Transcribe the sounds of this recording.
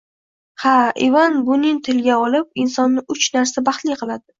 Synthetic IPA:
haʔɪ̰vanbʊnɪŋt̪ʰɪlɡʲaɒlɪp̚ɪnsɒnːɪʔʊt͡ʃnaɾsabɑχt̪lɪjqʰɨlˠad̪ɪ

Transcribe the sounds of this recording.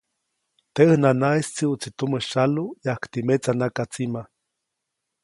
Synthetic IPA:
t̪eɨhnanaist͡siut͡sit̪uməʃalujahkt̪imet͡sanakat͡sima

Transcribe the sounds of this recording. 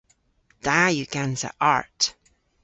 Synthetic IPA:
d̥ajʉɡanzə̰ʔa̰ɹt

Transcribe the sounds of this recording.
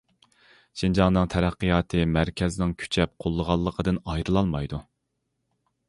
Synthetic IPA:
ʃind͡ʒɑŋnɨŋt̪ʰɛɾæqːɨjɑːt̪ʰɨmæɾkʲʰɛznɪŋkʲʰy̥t͡ʃʰɛp̚qʰolˠːəʁɑlˠːəqʰəd̪ɨnɑjɾɨlˠɑlˠmɑjd̪u

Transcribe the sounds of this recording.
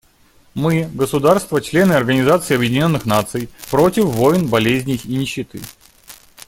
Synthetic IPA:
mɨɡəsʊd̪arst̪vət͡ɕlʲe̞nɨɐrɡənʲɪzat̪sɨiːɐbjɪdʲɪnʲo̞nːɨxnat̪sɨjpɾo̞tʲɪfːo̞jɪnbɐlʲezʲnʲɪinʲɪɕːɪt̪ɨ

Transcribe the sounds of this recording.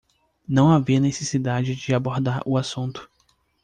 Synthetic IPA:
nɐ̃w̃aviɐnesesid̪ad͡ʒɪd͡ʒɪaboɾd̪aɾʊasũnt̪ʊ̥

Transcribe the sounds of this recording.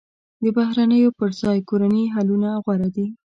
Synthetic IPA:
d̪əbahɾanəjopəɾzɑjkoɾaniɦalunaɣwaɾad̪i

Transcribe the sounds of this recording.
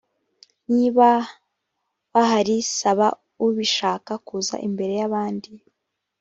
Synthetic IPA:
niːβa | βaɦaɾisaβa | uβiʃaːkakuza̰ʔimbe̞ɾe̞jaβaːndi

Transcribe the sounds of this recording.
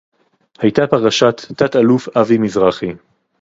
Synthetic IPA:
hajt̪apaʁaʃat̪ːat̪alufavimizʁaχi

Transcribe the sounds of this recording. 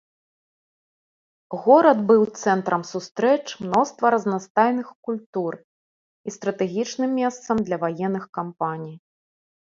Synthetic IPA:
ɣɔɾɐd̪bɨwt̪sɛnt̪ɾɐmsust̪ɾɛt͡ʂmnɔst̪vɐɾɐznast̪ajnɨxkulʲt̪ur | ist̪ɾɐt̪ɛɣʲit͡ʂnɨmːʲɛst̪sɐmd̪lʲɐvajɛnːɨxkampanʲij

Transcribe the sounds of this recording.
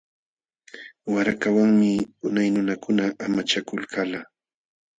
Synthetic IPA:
waɾakawaŋmɪʊnajnʊnakʊnaʔamat͡ʃakʊlkʰala

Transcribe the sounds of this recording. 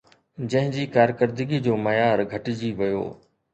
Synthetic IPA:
d͡ʑɐ̃ɦɪ̃d͡ʑiːkaːɾkəɾd̪ɪɡid͡ʑoːmɐjaːɾɡʱɐʈɪd͡ʑiʋɐjo̰ː

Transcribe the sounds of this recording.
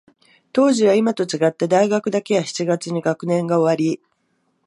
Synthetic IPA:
t̪o̞ːʑiβaimat̪o̞t͡ɕiɡat̪ːad̪aiɡakɯ̟d̪ake̞jaçi̥t͡ɕiɡat͡sɨɲ̟iɡakɯ̟nẽ̞ŋɡao̞βaɾʲi

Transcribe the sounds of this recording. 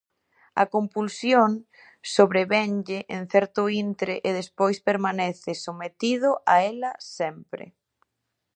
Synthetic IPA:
ɐ̰kompulsjoŋ | soβɾeβɛnʎɪʔen̟θɛɾt̪ʊint̪ɾeʔeðespojspeɾmanɛθɪsomet̪ið̞ʊʔaɛlɐsɛmpɾɪ̰

